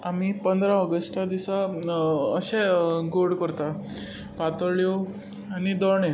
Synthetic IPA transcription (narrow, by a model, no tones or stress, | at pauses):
am̤ipənd̪ɾãɔɡəsʈad̪isa | əɕɛ̃ɡoɽkəɾt̪a | pat̪əɾɭjo | anid̪ɔɳe